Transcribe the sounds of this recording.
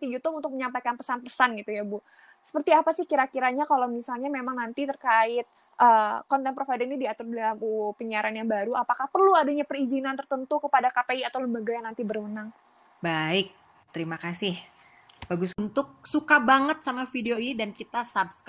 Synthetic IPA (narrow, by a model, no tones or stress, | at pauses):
t̪ijut̪ʊpunt̪ʊk̚məɲampajkanpəsanpəsanɡit̪ujabu | sə̥pərt̪iapasɪhkiɾakiɾaɲakalawmisalɲamemaŋnant̪it̪ərkaɪt̪̚ | ʔəːkɔnt̪ɛnpɾofajdənidiat̪ʊrdlaupəɲaɾanjaŋbaɾuapakahpərluadaɲapərizinant̪ərt̪ənt̪ukəpadakapeiat̪aləmbaɡajaŋnant̪ibərwənaŋ | baɪk̚ | t̪əɾimakasɪh | baɡʊsunt̪ʊk̚sukabaŋət̪̚samafideoinidankit̪asabsk